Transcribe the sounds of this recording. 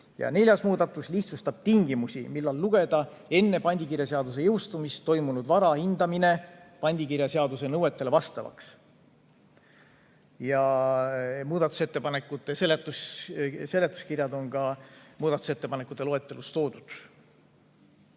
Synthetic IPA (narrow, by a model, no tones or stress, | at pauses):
jɑ̰ne̞lʲjɑsmuːd̪ɑt̪ːˑusliht̪sust̪ɑb̥̚t̪iŋɡimusʲḭmilːɑlːuɡ̥e̞d̪̥ɑe̞nːe̞pɑnʲd̪ʲikirjɑseɑd̪us̬e̞jɤwst̪umist̪ːo̞jmunud̪vɑɾɑhind̪̥ɑmine̞ | pɑnʲd̪̥ʲikiɾjɑseɑd̪use̞nɤwe̞t̪ːˑe̞levɑst̪ɑvɑ̰ks | jɑ | muːd̪̥ɑt̪ːˑu̥set̪ːe̞pɑnekːˑut̪ːˑe̞se̞let̪ːˑusse̞le̞t̪ːˑu̥skirjɑd̪o̞nɡɑmuːd̪̥ɑt̪u̥se̞t̪ːe̞pɑnekːˑut̪ːˑeoet̪ːˑe̞lust̪o̞ːd̪̥ud̪̥